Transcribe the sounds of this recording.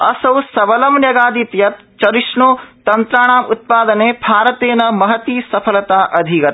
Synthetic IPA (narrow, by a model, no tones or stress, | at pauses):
ɐ̰sɐwsɐʋɐlɐmnjɐɡaːd̪it̪jɐt̪ | t͡ʃɐɾiʂɳuːt̪ɐnt̪ɾaːɳaːmut̪̚paːd̪ɐneːbʱaːɾɐt̪eːnɐmɐɦɐt̪iːsɐpʰɐlɐt̪aːʔɐd̪ʱikɐt̪